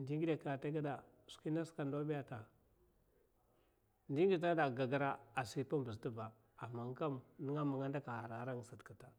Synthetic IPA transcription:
ndi˦ŋɡi˦da˨ka˨ta˦ɡa˦da˨ | su̥˨ki˦na˦ska˨ndo˦bi˦ja˦ta˨ | ndi˦ŋɡi˨ta˦da˨ɡa˨ɡa˦ɾa˦a˨si˦pa˦bə˨ztə˦ba˨ | a˨mːa˨ŋ˦ka˦mni˦ŋa˦ma˨ŋa˦nda˦ka˨a˨ɾa˨˦ɾa˦ŋ˨sa˨tka˨ta˨

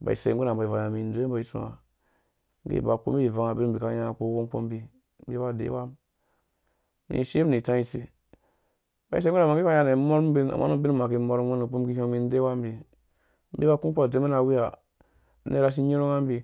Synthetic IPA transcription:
ba̰˨ḭ˨sḛ˨ŋ˦ɡu˦na˨ba˨i˨va˨a˨mi˨n˦do˦e˦ba˨i˨˦tu˨a̰˨˦ | ɡḛ˦˨ba˨ko̰˦m˦i˦˨va˨ŋa˨bi˦n̩˨bi˨ka˦ja˦˨ko˦ko˦k͡po̰˦m˦bi˦ | bi˦ba˦˨dḛ˨˦wa˦m | mḭ˨ʃe˦ni˨tã˦i˦si˨ | ba˨˦i˦se˦u˦na˨ma˨˦e˦a˦ja˦ne˨˦mo˦ɾm˦bi˦na̰˨ma̰˦u˦bi˦nu˦ma˨ki˨˦mo˦ɾmwe˦nu˨k͡pu˦m˦ki˦ho˦mi˦n˦de˦wa˦m˦bi˨ | m̩˦bi˦ba˦ku˦k͡po˦˨de˦me˦na˨wi˦a˨˦ | ne˦ɾa˦s̬i˦ɲo˦ɾo˦ŋa˦m˦bi˦

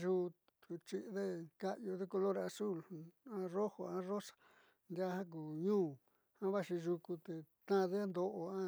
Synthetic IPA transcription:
ʒu˧ | t̪u˨t͡ʃi˦ʔðe˦ka˦ʔjo˧ðe˦ko˧lo˦ɾa˧su˦˨lã˧˦ro˦ho˨ã˧˦ro˦sḁ˨ | nd̪ja˦hã˦k̬uː˨ɲũː˦ | hã˦βa˦ʃi˧ʒu˧ku˧t̪e˨t̪ã˦˧ðe˦a˦nd̪o˧ʔo˧ã˦

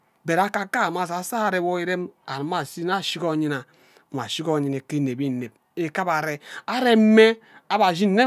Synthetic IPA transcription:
be˨ɾa˦ka˦ka˦˨ma˦s̬a˨˦sa˦a˨ɾe˦wo˦i˦ɾe˦ma˨ɾma˨si˦na˦˨ʃi˦ko˦˨ɲi˦na˨ | a˨si˦ko˦˨ɲi˨ne˨ke˦˨ne˨bi˦˨ne˨b̚ | e˦ka˦ba˨ɾe˦a˦ɾe˦m̩˦me˦ | a˦ba˨zi˦n̩˦ne˦

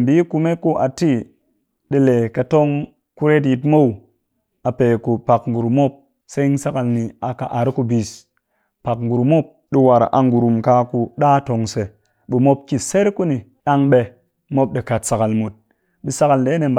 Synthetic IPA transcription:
m˨bi˨˦ku˧me˦ku˦ʔa˨ti˦ | ɗi˧le˨ka˨to˦ŋ | ku˦ɾe˦t̬ji˧tmo˦˨w | a˨pe˨ku˨pa˨kŋ̩˨ɡu˨ɾu˨mo˦p̚ | se˦n˦sa˦ka˧lni˨a˨ka˨ʔa˨ɾku˧bi˨s | pa˨kŋ̩ɡu˨ɾu˨mo˦p̚ | ɗi˧wa˨ɾʔa̰˨ŋɡu˨ɾu˨mka˧ku˧ɗa˦to˧ŋse˨ | bi˨mo˦p̚ki˦˨se˦ɾku˦ni˨ | ɗa˦ŋɓe˧ | mo˦p̚ɗi˨ka˨tsa˨ka˨lmu˨t̚ | ɗi˦sa˦ka˨lde˨˦ne˨m˨b

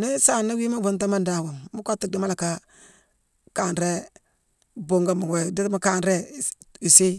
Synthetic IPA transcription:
ne˦sa˦˨na˦wi˦ma˦bu˨nt̬a˦ma˦nda˨wa˨mmu˦ka˦tːi˦di˦ma˦la˨ka˦ | ka˨nɾe˦ | bo˦ŋɡa˦ma˨we˨di˦tma˦ka˦nɾe˦ | i˨si˦

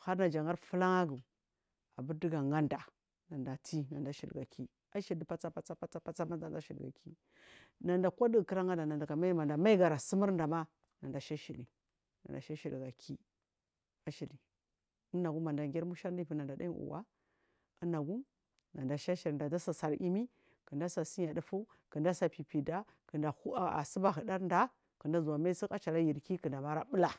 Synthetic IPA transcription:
xa˦ɾna˨d͡ʒa˨ŋa˦ɾfu˦la˦ŋa˦ɡu˨ | a˨bu˦ɾdi˦ɡa˨ŋa˦nda˨ | na˨nda˨tʰi˦na˨nda˨ʃḭ˨lɡa̰˨ki˦ | a˦ʃi˨i˨pa˦t͡sa˦pa˦t͡sa˦pa˦t͡sa˦pa˦t͡sa˦ma˦nda˨nda˦ʃi˨lɡa̰˨kʰi˦ | na˨nda˨kʷa˦di˦ɡkə˦ɾa˦ŋa˦nda˨na˨nda˨ɡa˨ma˦i˦ma˨nda˨ma˦i˦ɡa˨ɾa˨si˦mə˦ɾnda˨ma˦ | na˨nda˨ʃa˦ʃi˨li˨ | na̰˨nda̰˨ʃa˦ʃi˨lɡa˨kʰi˦ | a˦ʃi˨li˨ | ə˦na˨ɡu˦ma˨nda˨ŋɡʲe˦ɾmu˦ʃa˦ɾdpi˨˦na˨nda˨da̰˦ṵ˨wa̰˦ | ə˦na˨ɡu˦ | na˨nda˨ʃa˦ʃi˨ɾnda˨da˦sa˨sa˨ɾʔi˦mi˦ | kə˨nda˦sa˨si˦ɲa˨də˨fu˦ | kə˨nda˦sa˨pi˨pi˨da˦ | kə˨nda˨hu˦a˨a̰˨sə˦ba˨ɦə˨da˦ɾnda˦ | kə˨nda˦zu˨a˨ma˦si˦ka˦t͡ʃa˨la˦ji˨ɾki˦kə˨nda˨ma˦ɾa˦ɓu˦la˨

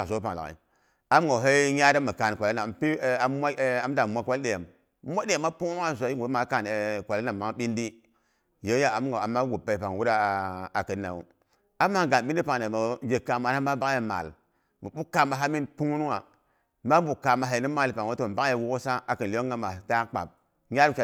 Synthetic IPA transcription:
a˨so˨˦pa̰˨ŋ˨la̰˨ḭ˨ | a˦mŋɡa˨ɦe˦ja˦da˦mə˨ka˨n˨kʷa˨la˦na˨mpi˦˨mʷa˦a˨˦m˦da˨mʷa˦kwa˦lɗe˨ja˨m˦ | mʷa˦de˦ja˨mːa˦pu˦ŋ˦a˦˨zʷa˨˦i˦ɡu˨˦ma˨˦ka˨n˨kʷa˨la˦na˨ma˦ŋ˦ɓi˦ndi˦ | je˦ja˦a˨˦m˦ɡa˨a˨mːa˦ɡu˨pa˨i˨pa˨ŋwu˦ɾa˦˨a˨kə˨na̰˨wṵ˨ | a˦ma˦˨ɡa˨n˨ɓi˦n˦di˦pa˨na˨mə˨˦e˨ka˨ma˨na˦ma˦ba˦ŋ˦je˨ma̰˨l | mə˨ɓu˦ka˨ma˨ɦa˦mi˦npu˦ŋ˦n˦wa˨ | ma˦bu˨ka˨ma˨ɦa˨i˨ni˦ma˦li˨pa˨ŋ˨wo˦to˨ba˦ŋ˦je˦˨wu˦ksa˦a˨kə˨nli˦o˦ŋ˦ɡa˦ma˨ta˦k͡pa̰˨p̚ | ɲʲa˦ɾa˨˦

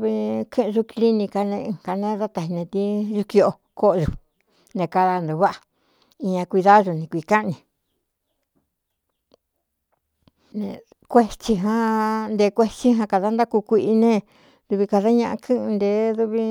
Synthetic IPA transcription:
βi˧kʰɨ̃˦ʔʒu˧kli˦nĩ˧ka˧nẽ˧˨ka˧nẽ˦ða˦t̪a˧hi˧nẽ˧t̪i˦ʒu˧ki˧o˧˨˧ | ko˦ʔʒu˧˨ | nẽ˧˨ka˧ða˧nd̪u˧βa˦ʔa˧˨ | i˧ɲã˧kʷi˧ða˦˧ʒu˧nĩ˧kʷi˧˨ka˦ʔnĩ˨ | nḛ̃˧ | kʷe˦t͡ʃi˧ɦã˦nd̪e˧˦˧kʷe˦t͡ʃi˦ɦã˧ka˧ða˦nd̪a˦ku˧kʷi˧ʔi˧nẽ˦ | ðu˧βi˧ka˧ða˦ɲã˧ʔa̰˧kʰɨ̃˦ʔɨ̃˧nd̪e˧˦ðu˧βi˧

